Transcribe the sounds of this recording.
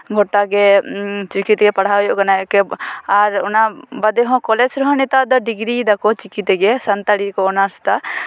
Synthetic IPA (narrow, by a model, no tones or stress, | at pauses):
ɡʱɔʈːaɡɛt͡ʃikit̪ɡɛpaɽ̤ajɔʔkanajɔkɛaɾʊnabad̪ɛɦɔ̃kɔlɛt͡ʃɾɔɦɔnɛt̪ad̪ɔɖiɡɾid̪akɔt͡ʃikit̪ɛɡɛsɐnt̪aɽikɔɔnast̪a